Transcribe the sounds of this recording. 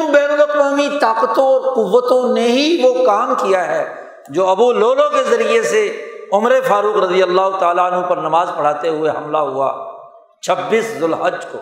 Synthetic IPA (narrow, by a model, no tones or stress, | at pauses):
beːɾubəkmõːmit̪aːqət̪õɔːɾqʊʋːət̪õneɦiʋokaːmkijaɦɛː | d͡ʒoːɐbuloːlõkezɐɾieseʊmɾefaːɾuːqɾɐd̪ijəlːaːɦʊt̪aːlaənɦõpɐɾnɐmaːzpɐɽ̤aːt̪eɦʊeɦɐ̰mlaɦua̰ː | t͡ʃʰɐbːiːszʊlɦəd͡ʒko̰ː